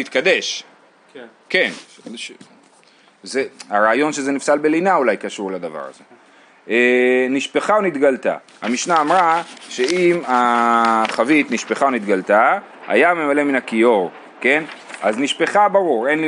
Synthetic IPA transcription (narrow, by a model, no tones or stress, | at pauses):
it̪̚kad̪e̞ʃ | ke̞n | zeaʁaːjo̞nʃe̞zenifsalbe̞linaulajkaʃuʁlad̪ava̰ʁa̰ze̞ | ʔeniʃpeχaonit̪ɡalt̪a̰ | hamiʃnaːmʁaʃe̞ima | χavit̪niʃpeχaonit̪ɡalt̪a | a̰jame̞male̞minakijo̞ʁ | ke̞na̰zniʃpe̞χabaʁuʁe̞nl